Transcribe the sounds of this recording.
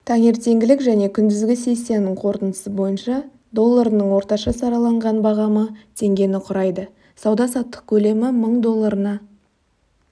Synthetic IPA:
t̪ʰæŋe̞ɾt̪e̞ŋɡʲɪlɪkʒæne̞kʲʰʏnd̪ɪzɡʲɪse̞jse̞nɪŋqʰo̞ɾt̪ənd̪ə̥səbo̞jənʃɑ | d̪o̞lˠːaɾənəɴwo̞ɾt̪ɑʃɑsɑɾɑlˠɑɴʁɑnbɑʁɑmət̪ʰe̞ŋɡʲe̞nɪqʰʊɾɑjd̪ə | sɑwd̪ɑsɑt̪ːə̥q̚kʲʰɵle̞mɪməɴd̪o̞lˠːaɾənɑ

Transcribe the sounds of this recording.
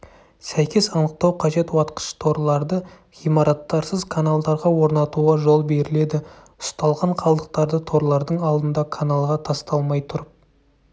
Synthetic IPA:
sæjkʲe̞sɑnəq̚t̪ɑwqʰɑʒe̞t̪wɑt̪qə̥ʃt̪ʰo̞ɾlˠɑɾd̪ə | ʁijmɑɾɑt̪ːɑɾsəzkʰanalˠd̪ɑɾʁɑwo̞ɾnɑt̪uʁɑʒo̞lˠbe̞ɾɪle̞d̪ɪ | ʊst̪ɑlˠʁɑɴqʰɑlˠd̪əq̚t̪ɑɾd̪ət̪ʰo̞ɾlˠɑɾd̪əɴɑlˠd̪ənd̪ɑkʰanalˠʁɑt̪ʰɑst̪ɑlˠmɑjt̪ʰʊɾəp̚

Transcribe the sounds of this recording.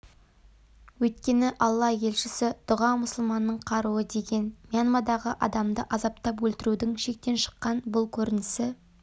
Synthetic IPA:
wɵt̪̚kʲe̞nɪʔɑlˠːɑje̞lʃɪsɪd̪̥ʊʁɑmʊsəlˠmɑnːəɴqʰɑɾuwəd̪e̞ɡʲe̞nmijanmɑd̪ɑʁəʔɑd̪ɑmd̪əʔɑzɑp̚t̪ɑp̬wɵlt̪ɪɾud̪ɪŋʃe̞k̚t̪e̞nʃə̥qːɑnbʊlˠkʲʰɵɾɪnɪsɪ

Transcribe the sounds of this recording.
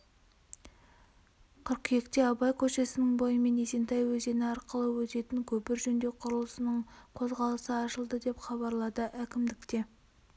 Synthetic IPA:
kʲʰʏɾqʰje̞kt̪e̞ɑbɑjkʲʰɵʃe̞sɪnɪŋbo̞jəme̞ne̞se̞nt̪ɑjwɵze̞nɪɑɾqəlˠəwɵt̪e̞t̪ɪŋkʲʰɵpɪɾʒɵnd̪e̞qʰʊɾəlˠəsənəɴqʰo̞zʁɑlˠəsəɑʃəlˠd̪əd̪e̞pχɑbɑɾlˠɑd̪əʔækʲɪmd̪ɪk̚t̪e̞

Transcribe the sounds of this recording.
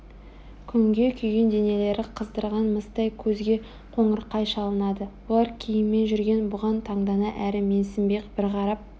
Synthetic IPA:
kʲʰʏŋɡʲe̞kʲʰʏjɡʲe̞nd̪e̞ne̞le̞ɾɪqʰəzd̪əɾʁɑnməst̪ɑjkʲʰɵzɡʲe̞ | qʰo̞ɴəɾqːɑjʃɑlˠənɑd̪əwolˠɑɾkʲʰejɪmːe̞nʒʏɾɡʲe̞nbʊʁɑnt̪ʰɑɴd̪ɑnɑʔæɾɪme̞nsɪmbe̞kb̥ɪɾʁɑɾɑp̚

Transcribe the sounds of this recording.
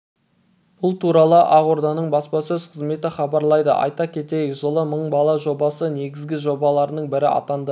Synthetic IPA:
b̥ʊlˠt̪ʰuɾɑlˠəʔɑʁoɾd̪ɑnəɴbɑspɑsɵzqʰəzme̞t̪ɪχɑbɑɾlˠɑjd̪ə̰ʔɑ̰jt̪ɑkʲʰe̞t̪e̞jɪkʒəlˠəməɴbɑlˠɑʒo̞bɑsəne̞ɡʲɪzɡʲɪʒo̞bɑlˠɑɾnəɴbɪɾɪɑ̰t̪ɑnd̪ə

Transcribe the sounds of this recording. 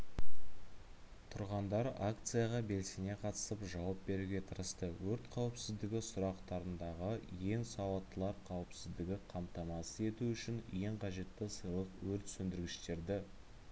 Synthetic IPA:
t̪ʰʊɾʁɑnd̪ɑɾakt̪sɨjaʁɑbe̞lse̞ne̞qʰɑt̪ə̥səpʒɑwɑp̚be̞ɾuɡʲe̞t̪ʰəɾəst̪əwɵɾt̪qʰɑwəpsɪzd̪ɪɡʲɪsʊɾɑqt̪ɑɾənd̪ɑʁəje̞ŋsɑwɑt̪ːəlˠɑɾqʰɑwəpsɪzd̪ɪɡʲɪqʰɑmt̪ɑmɑsəe̞t̪uʏʃɪnje̞ɴqʰɑʒe̞t̪ːɪsəjlˠəqwɵɾt̪sɵnd̪ɪɾɡʲɪʃt̪e̞ɾd̪ɪ

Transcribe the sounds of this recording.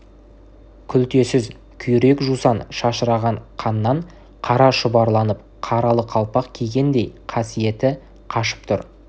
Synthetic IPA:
kʲʰʏlt̪e̞sɪz | kʲʰʏjɾe̞kʒusɑnʃɑʃəɾɑʁɑɴqʰɑnːɑɴ | qʰɑɾɑʃʊbɑɾlˠɑnəp̚ | qʰɑɾɑlˠəqʰɑlˠpɑqkʲʰeɡʲe̞nd̪e̞jqʰɑsije̞t̪ɪ | qʰɑʃə̥p̚t̪ʰʊɾ

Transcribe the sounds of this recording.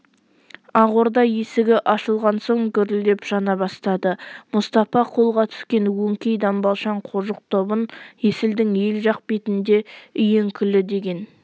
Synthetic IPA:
ɑʁo̞ɾd̪ɑjesɪɡʲɪʔɑʃəlˠʁɑnso̞ŋɡʲʏɾɪld̪e̞pʒ̥ɑnɑbɑst̪ɑd̪əmʊst̪ɑfɑqʰo̞lˠʁɑt̪ʰʏ̥skʲe̞nwɵŋkʲejd̪ɑmbɑlˠʃɑɴqʰoʒəq̚t̪ʰo̞bənjesɪld̪ɪŋje̞lʒɑq̚pet̪ɪnd̪e̞ʏje̞ŋkʲʰʏlɪd̪e̞ɡʲe̞n

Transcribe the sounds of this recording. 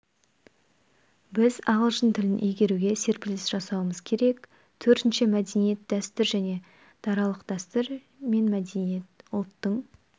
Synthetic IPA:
bɪzɑʁəlˠʒənt̪ʰɪlɪnʔejɡʲe̞ɾuɡʲe̞se̞ɾpɪlɪsʒ̥ɑsɑwəməzkʲʰe̞ɾe̞k | t̪ʰɵɾt̪ɪnʃɪmæd̪enije̞t̪̚d̪æst̪ɪɾʒæne̞ | d̪̥ɑɾɑlˠəqd̪̥æst̪əɾ | me̞nmæd̪enije̞t̪ʊlˠt̪ːəɴ

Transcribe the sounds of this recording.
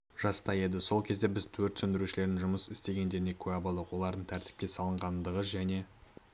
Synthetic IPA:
ʒ̥ɑst̪ɑje̞d̪ɪso̞lˠkʲʰe̞zd̪e̞bɪzt̪ʰɵɾt̪sɵnd̪ɪɾuʃɪle̞ɾɪnʒʊməsɪst̪e̞ɡʲe̞nd̪e̞ɾɪne̞kʲʰɵæbolˠd̪əqwo̞lˠɑɾd̪əɴt̪ʰæɾt̪ɪ̥p̚kʲe̞sɑlˠəɴʁɑnd̪əʁəzʒæne̞

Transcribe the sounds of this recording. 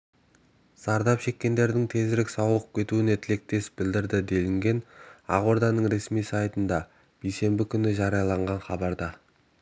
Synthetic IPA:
zɑɾd̪ɑpʃe̞kʲːe̞nd̪e̞ɾd̪ɪŋt̪ʰe̞zɪɾɪksɑwəq̚kʲʰe̞t̪uɪnet̪ʰɪle̞k̚t̪e̞sbɪld̪ɪɾd̪ɪd̪e̞lɪŋɡʲe̞nɑ̰ʁoɾd̪ɑnəɴɾe̞smijsɑjt̪ənd̪ɑ | b̥ijse̞mbɪkʲʰʏnɪʒɑɾijɑlˠɑɴʁɑnχɑbɑɾd̪ɑ

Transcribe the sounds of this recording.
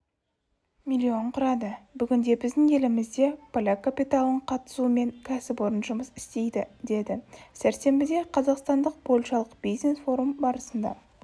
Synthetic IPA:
milʲːio̞ɴqʰʊɾɑd̪əbʏɡʲɪnd̪e̞bɪzd̪ɪŋe̞lɪmɪzd̪e̞pʰolʲakapʲijt̪alˠəɴqʰɑt̪ə̥suəme̞ŋkʲʰæsɪpo̞ɾənʒəməsɪ̥st̪e̞jd̪ɪd̪e̞d̪ɪsæɾse̞mbɪd̪e̞qʰɑzɑqst̪ɑnd̪əq̚pʰo̞lʲʃɑlˠəq̚b̥ijzne̞sfo̞ɾumbɑɾəsənd̪ɑ̰

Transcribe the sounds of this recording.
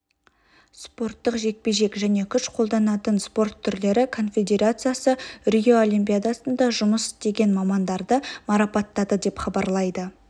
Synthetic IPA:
spo̞rt̪ːəqʒe̞k̚pe̞ʒe̞kʒæne̞kʲʰʏʃqʰo̞lˠd̪ɑnɑt̪ənspo̞rt̪ʰːʏɾle̞ɾɪkʰo̞nfʲe̞d̪ʲe̞ɾat̪sɨjasərʲio̞olʲimpʲijad̪asənd̪ɑʒʊməsɪ̥t̪e̞ɡʲe̞nmɑmɑnd̪ɑɾd̪əmɑɾɑpɑt̪ːɑd̪əd̪e̞pχɑbɑɾlˠɑjd̪ə

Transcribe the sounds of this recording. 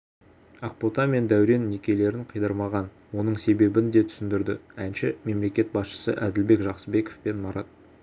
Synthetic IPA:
ɑq̚pot̪ɑme̞nd̪æwɾe̞nːekʲe̞le̞ɾɪɴqʰəjd̪ɑɾmɑʁɑn | wo̞nəɴse̞be̞bɪnd̪e̞t̪ʰʏ̥sɪnd̪ɪɾd̪ɪænʃɪme̞mle̞kʲe̞t̪̚bɑsʃə̥sə̰ʔæd̪ɪlbe̞kʒɑqsəbe̞kofpe̞nmɑɾɑt̪̚

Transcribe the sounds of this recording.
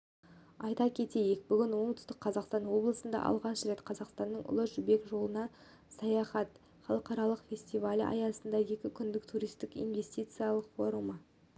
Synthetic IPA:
ɑjt̪ɑkʲʰe̞t̪e̞jek̚bʏɡʲɪnwo̞ɴt̪ʏ̥st̪ɪk̚qʰɑzɑqst̪ɑnwo̞blˠəsənd̪ɑ̰ʔɑ̰lˠʁɑnʃɾe̞t̪qʰɑzɑqst̪ɑnːəɴʔʊ̰lˠəʒʏbe̞kʒo̞lˠənɑ | sɑjɑχɑt̪ | χɑlˠəqɑɾɑlˠəqfʲe̞sʲt̪ivalʲɑ̰jɑsənd̪ɑje̞kʲɪkʲʰʏnd̪ɪkt̪ʰuɾijst̪ɪkḭnve̞sʲt̪ijt̪sɨjalˠəqfo̞ɾumɑ

